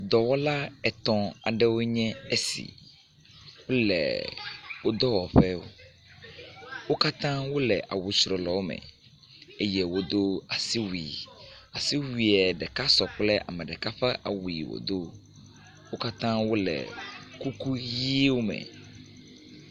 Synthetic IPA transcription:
d̪ɔ˨wɔ˦la˦ɛ˨t̪ɔ̃˨a̰˨ɖɛ˦wo˦ɲɛ̃˦e˦sḭ˨ | wo˦lɛ̰˨wo˦d̪ɔ˦wɔ˨ɸɛ˦wo̰˦ | wo˦ka˦t̪ã˦wo˦lɛ̰˨ʔa̰˨wu˨t͡ʃɾɔ˨lɔ˨wo˦mɛ̰˨ | e˦je˦wo˦d̪o˦a˨si˦wḭ˨a˨si˦wi˨ɛ˨ɖɛ˨ka˦sɔ˨k͡plɛ˦ʔa̰˨mɛ̃˨ɖɛ˨ka˦ɸɛ˦ʔa̰˨wu˨i˨wo̰˨d̪o˦ | wo˦ka˦t̪ã˦wo˦lɛ̰˨ku˦ku˦ji˦wo˦mɛ̰̃˨

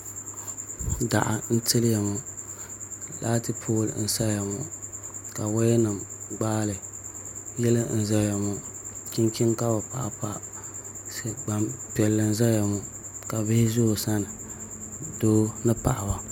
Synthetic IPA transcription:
da̰˨ʔa̰˨n̩˦tɨ˦lja˨mu˨ | laː˦tɨ˦pʰoː˦˨l̰n̩˦sa˦ja˨mu˨ka˨wa˦jɛ˦nɨ˨mɡ͡baː˦lɨ˨ | jɛ˦lɨ˦n̩˦za˦ja˨mu˨ki˦nki˦nka˦ba˨pa̰˨ʔa̰˨pa˦ | sɡ͡ba˨mpɛ˨lːɨ˨n̩˦za˦ja˨mu˨ | ka˨bɪ˦hɪ˦zʊ˦hsa˦nɨ˨ | doː˦nɨ˦pa̰˨ʔa˨ba˦

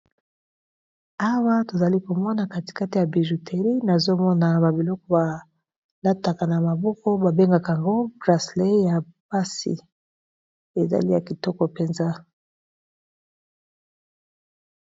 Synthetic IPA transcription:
a˦wa˦to˨za˨li˦ko˨mɔ˦na˨ka˦ti̥˨ka˦ti˨ja˨bi˨ʒu˨tʰe˨ʁi˦na˨zo˦mɔ˦na˨ba˨bi˨lɔ˦kɔ˦ba˨ | la˦ta˨ka˨na˨ma˨bɔ˦kɔ˦ba˨be˦ŋɡa˨ka˨a˨ŋɡo˦bʁa˨sle˦ja˨pa˦sḭ˨ | e˨za̰˨li˦ja˨ki˨tɔ˦kɔ˨pe˨nza˦

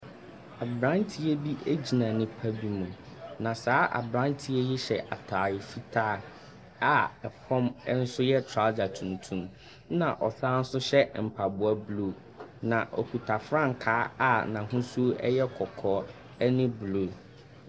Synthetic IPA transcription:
a˨bɾã˦ntʰi˦e˦bi˦ʔe˦d͡ʑi˨nã˨nɪ̃˦pʰæ˦bi˦mũ˨ | nã˨saː˨˦ʔa̰˨bɾã˦ntʰi˦ɛ˦jɛ˦ɕɛ̰˨ʔa̰˨tʰaː˨jɪ˨fi˦tʰaː˦ | a˨ɛ˨pʰɔ̃˦m˦n̩˦sʊ˦jɛ˦tʰɾa˦d͡ʑa˨tʰũ˨ntʰũ˦m | nã˨ʔɔ˨saː˦n̩˦sʊ˦ɕɛ˦m̩˨pʰa˨bʊ˨a˦blo˦˨ | nã˨ʔɔ̰˨kʰu˨tʰa˨fɾã˦˨ŋ̩˨kʰaː˨˦a˦˨nã˨ɦʊ̃˦su˦ɛ̰˦jɛ˦kʰɔ˨kʰɔː˨˦ | ɛ˦nɪ̃˦blo˨

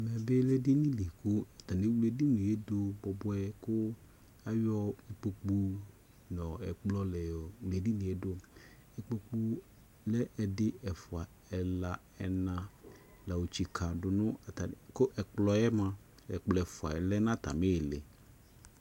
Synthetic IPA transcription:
a˨mɛ˨be˦le˦di˦nĩ˦li˨kʊ˦ɛ˨t̪a˨ne˦wle˨di˦nũ˨e˦d̪o˦bɔ˨bɔ˦ɛ˦kʊ˦ | a˦jɔ˦e˨k͡po˨k͡pu˦ | nɔ̃˨ɛ˨k͡plɔ˦lɛ˨ɔ˨wle˨di˦nũ˨e˦do˦ | ɛ˨k͡po˦k͡pu˦ | lɛ˦ʔɛ˨dɪ˦ɛ˨fʊ˨a˨ | ɛ˨la˨ | ɛ˨nã˨ | la˨wo˨t͡ɕi˨kʰa˨dʊ˨nʊ̃˦˨tkʊ˦ʔɛ˨k͡plɔ˨ɛ˦mã˨ | ɛ˨k͡plɔ˨ɛ˨fʊ˨a̰˨ɛ˨lɛ˦nã˦t̪a̰˨me˦˨lɛ̰˨

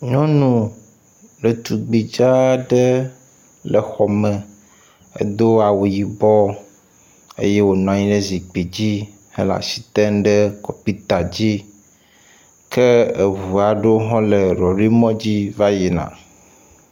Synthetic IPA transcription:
ɲɔ̃˦nũ˨ | ɖə˨t̪u˨ɡ͡bi˨d͡ʒa˦ɖə˦ | lə˨xɔ˨mɛ˨ | ə̰˦d̪o˦a˨wo˨ji˨bɔ˦ | ḛ˦je˦wo˨nɔ̃˨ã˨ɲĩ˦ɖe˦zi˨k͡pi˨d͡ʑi˦ | hḛ˦la̰˨si̥˨t̪ɛ˦nɖə˦kɔ˨pi˦t̪a˨d͡ʑi˦ | ke˦e˨vu˨a˨ɖe˦wo˦ɦɔ̃˦le˨ɾɔ˨ɾi˦mɔ̃˦d͡ʑi˦va˦ji˨nã̰˨

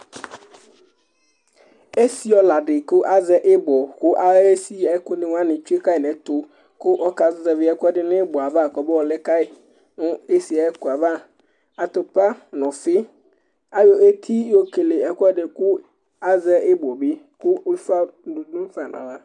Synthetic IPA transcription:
e˦si˦ɔ˦la˨ɖɪ˨kʊ˦ʔa˦zɛ˦ʔɪ˦bɔ˨kʊ˦ʔa˦e˦si˦ɛ˦kʊ˦nɪ̃˨wa˦nɪ̃˨t͡ʃu˦e˦ka˦ɪ˨nɛ̃˨t̪ʊ˨ | kʊ˦ʔɔ˦ka˨zzɛ˨vɪ˨˦ɛ˦kɔ˦dɪ˦nɪ̃˦bɔ˨a˨va˦˨kɔ˨˦bɔ˦wɔ˨lɛ˦ka˦ɪ˨ | nʊ˦e˦si˨a˨˦kʊ˨a˨va˦ | a˨t̪ʊ˨pa˦nɔ̃˨fɪ˦ | a˦jɔ˨e˦t̪ʰi˦o˦ke˨le˨ɛ˨kɔ˦ɖɪ˨kʊ˦ | a˦zɛ˦ʔɪ˦bɔ˨bɪ˦ | kʊ˦fa˦dũ˨dʊ̃˦m˦fa˨nã̰˨la˦

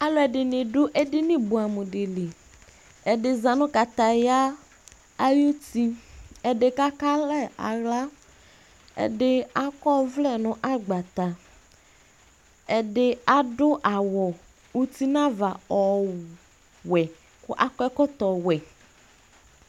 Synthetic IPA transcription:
a˦lɔ˨˦ɛ˨dɪ˨nɪ̃˨dʊ˦ʔɛ˦dɪ˦nɪ̃˦bʊ˨a˨mʊ̃˨dɪ˨lɪ˨ | ɛ˨dɪ˨za˨nʊ̃˦ka˨t̪a˨ja˦ | a˦ju˦ti˦ɛ˨dɪ˨ka˦ka˦lɛ˦˨a̰˨ɣla˦ | ɛ̰˨dɪ˦a˦kɔ˦vlɛ˦˨nʊ̃˨ʔa˦ɡ͡ba˨t̪a˨ | ɛ˨dɪ˦a˦dʊ˦ʔa˨wɔ˨ | u˨ti˦nã˦va˨ɔ˨ | wɛ˨ | kʊ˦ʔa˦kɔ˦ɛ˦kɔ˦t̪ɔ˨wɛ˨

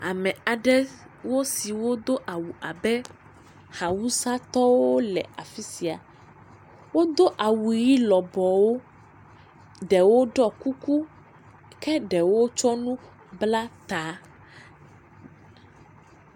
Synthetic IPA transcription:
a˨mɛ̃˨a˨ɖɛ˦ | wo˦si˨wo˦d̪o˦ʔa˨wu˨ʔa˨bɛ˦ | ha˨wu˦sa˦t̪ɔ˦wo˦lɛ̰˨a˨fi˦si˨a̰˨ | wo˦d̪o˦ʔa˨wu˨ji˦lɔ˨bɔ˨wo˦ | ɖɛ˨wo˦ɖɔ˦ku˦ku˦ | kɛ˦ɖɛ˨wo˦t͡ʃɔ˦nũ˦ | bla˦t̪a˨˦

